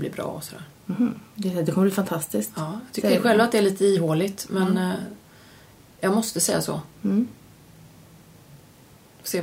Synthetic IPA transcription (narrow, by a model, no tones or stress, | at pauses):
lɪ̰bɾɑ̰ːɔsɔd̪æ̰ːɾ̩h̩d̪ɛd̪ɛkʰɔməbliːfant̪ʰast̪ɪskt̪ɑːjɑ̥t̪ʰʏkːəɾɧɛlvat̪̚d̪ɛæɭiːt̪əiːɦoːlɪt̪mɛn | jɑɡmɔst̪əsɛjːasɔ̰ | seː